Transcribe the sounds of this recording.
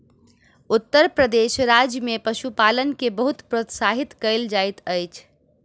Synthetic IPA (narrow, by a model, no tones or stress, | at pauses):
ut̪ːəɾpɾəd̪eʃɾad͡ʒjəmepəʃupalənkebəɦut̪pɾot̪saɦit̪kəld͡ʒajt̪əjt͡ʃʰ